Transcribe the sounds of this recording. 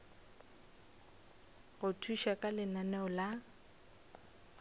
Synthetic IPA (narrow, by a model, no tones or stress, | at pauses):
ɣʊtʰuʃakʼalɪnanɛʊla